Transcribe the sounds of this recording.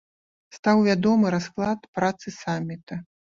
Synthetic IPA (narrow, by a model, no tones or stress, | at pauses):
st̪awvʲad̪ɔmɨɾasklˠat̪pɾat̪sɨsamʲːit̪ɐ